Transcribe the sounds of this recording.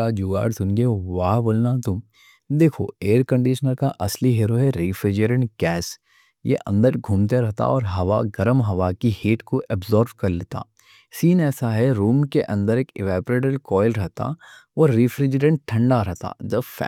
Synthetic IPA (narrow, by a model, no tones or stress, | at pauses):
ad͡ʒuːa̰ːɖsʊnɡeʋaːɦboːlnat̪ʊm | d̪eːkʰo̰eːɾkɐ̃ɳɖiːʃənəɾkaʔɐsliɦeːɾoɦɛɾiːfɾɪd͡ʒəɾə̃ɳʈɡɛːs | jḛʔɐ̰̃nd̪əɾɡʱumt̪eɾɛɦt̪a̰ɔːɾɦɐʋa̰ɡɐɾəmɦɐʋakiheːʈkoʔɛbzɔːɾʋkɐɾleːt̪a̰ː | siːnɛːsaɦɛɾuːmkeʔɐ̃nd̪əɾeːkɪʋɛːpɾeːʈəlkɔːɪlɾɛɦt̪a̰ɔːɾːiːfɾɪd͡ʒɾə̃ɳʈʈʰːɐ̃ɳɖaɾɛɦt̪a̰d͡ʒɐbfɛ̰